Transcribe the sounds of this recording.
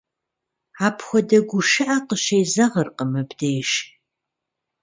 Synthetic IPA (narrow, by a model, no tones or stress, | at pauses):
aːpʰxʷɔdɐɡʷʊʃɨʔɐqəʃeːzɐʁərqəmɨbdeːʃ